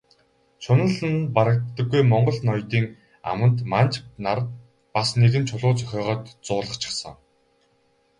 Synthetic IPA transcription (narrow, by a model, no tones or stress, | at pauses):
ʃʊnə̆ɮɘ̆npaɾə̆k̚t̪ːə̆ɡːujmɔɴɢɞ̆ɮnɔjt̪iːŋ | a̰mə̆nt̪mant͡ɕnar | pasneɣɘ̆nt͡ɕʰʊɮʊːt͡sœ̥xʲœːʁɔːt̪t͡sʊːɮə̆χt͡ɕʰĭ̥χsə̆ŋ